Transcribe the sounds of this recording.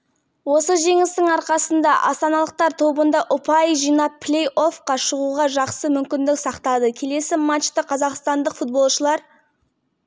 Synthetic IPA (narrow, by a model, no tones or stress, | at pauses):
wo̞səʒe̞ŋɪst̪ɪŋɑɾqɑsənd̪ɑʔɑ̰st̪ɑnɑlˠəq̚t̪ɑɾt̪ʰo̞bənd̪ɑʔʊpɑjʒijnɑp̚pʰlʲe̞jo̞fqɑʃəʁuʁɑʒɑqsəmʏmkʲɪnd̪ɪksɑqt̪ɑd̪əkʲʰe̞le̞sɪmat͡ʃt̪əqʰɑzɑqst̪ɑnd̪əqfut̪̚bo̞lˠʃəlˠɑɾ